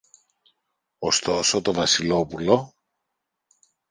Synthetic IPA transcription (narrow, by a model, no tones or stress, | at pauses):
ost̪o̞so̞t̪o̞vɐsilo̞pulo̞